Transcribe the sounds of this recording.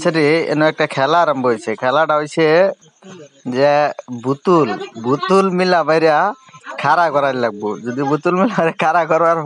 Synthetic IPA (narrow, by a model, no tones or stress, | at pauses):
sʰaɾiɛ̰nɔɛk̚ʈakʰɛlaɾɔmbɔɦojsʰekʰɛlaʈaɦojsʰe | zɛbut̪ulbut̪ulmilabajɾakʰaɾakɔɾaɾilaɡ̚bud͡ʒɔd̪ibut̪ulmilabɾɛkʰaɾakɔɾbaɾ